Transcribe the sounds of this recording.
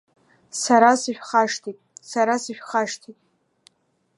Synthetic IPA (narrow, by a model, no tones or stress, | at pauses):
saɾasɨʃᶣχaʂtʰitʼsaɾasɨʃᶣχaʂtʰitʼ